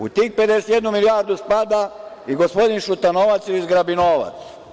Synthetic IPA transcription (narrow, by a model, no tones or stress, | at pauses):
ut̪ik̚pe̞d̪eset̪jed̪numilijaːɾd̪uspad̪a | iɡospo̞d̪inʃut̪anoʋat̪sjiizɡɾabinoːʋa̰t̪s